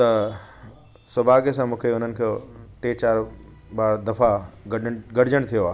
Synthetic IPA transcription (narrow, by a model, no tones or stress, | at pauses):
t̪ɐ | sɐbʱaːɡesãmũːkʰeʊn̤ənɪ̆kʰeʈeːt͡ɕaːɾ | ɓaːɾd̪ɐfaɡɐɡɐɽɪd͡ʑəɽ̃t̪ʰijoaː